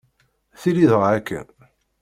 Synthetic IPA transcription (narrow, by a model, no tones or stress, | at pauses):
θiliðəʁʕækːæ̰n